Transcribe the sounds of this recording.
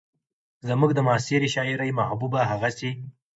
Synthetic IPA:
zəmuɡd̪əmɑːsiɾiʃɑɪɾajmahbubaɦaɣasi

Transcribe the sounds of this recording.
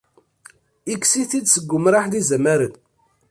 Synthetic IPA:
iksiθid̪səɡʷːʊmɾˤaħðizəmæɾən

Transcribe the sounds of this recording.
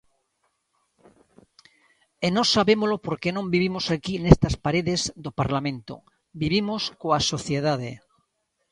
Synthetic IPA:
enosaβemolopoɾkenõmbiβimosakinest̪aspaɾeðezðopaɾlamẽnt̪o̰ | biβimoskoasoθjeð̞aðḛ

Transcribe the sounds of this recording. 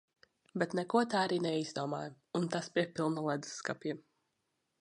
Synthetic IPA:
bɛt̪nɛkuɔt̪aːaɾiːnɛizd̪uɔma̰ːj | unt̪aspʲiɛpilˠnalˠɛd̪zɨ̥sːkapjɛ

